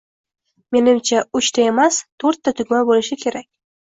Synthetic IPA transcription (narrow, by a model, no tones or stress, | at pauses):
me̞nɪmt͡ʃʰaʊt͡ʃt̪ʰae̞mast̪ʰoɾt̪ːat̪ʰʊɡʲmabolɪʃɪkʲʰe̞ɾakʲ